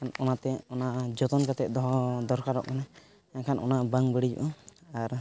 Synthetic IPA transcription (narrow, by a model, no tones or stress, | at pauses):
kʰanɔnat̪ɛɔnaʔd͡ʒɔt̪ɔnkat̪ɛt̪̚ˀd̪ɔɦɔd̪ɔɾkaɾɔ̰ʔkana | akʰanɔ̰naʔbaŋbəɽid͡ʒṵʔɔaɾ